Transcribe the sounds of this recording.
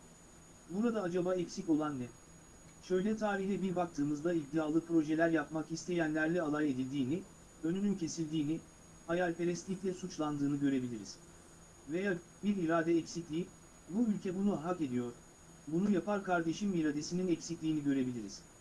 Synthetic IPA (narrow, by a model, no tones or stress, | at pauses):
buɾad̪aːd͡ʒabaːɛcsico̞lˠanːɛ | ʃø̞jlʲɛt̪ʰaːɾiçlʲɛbiɾbakt̪ʰɯːmɯzd̪ˠaid̪ijaːlˠɯpɾo̞ʒelʲæɾjapmakist̪ʰe̞jænlʲæɾlʲɛalˠaje̞d̪ilʲd̪iːni | ø̞nynyncʰe̞silʲd̪iːni | hajalʲpeɾɛslʲicʲlʲɛsut͡ʃlˠand̪ɯːnɯɟø̞ɾe̞bilʲiɾiz̥ | vejaː | biɾiɾaːd̪ɛːcsiclʲijip | buylʲcʰɛbunuɦake̞d̪ijo̞ɾ̥ | bunujapaɾkʰaɾd̪e̞ʃimiɾad̪e̞sininɛcsiclʲiːniɟø̞ɾe̞bilʲiɾiz̥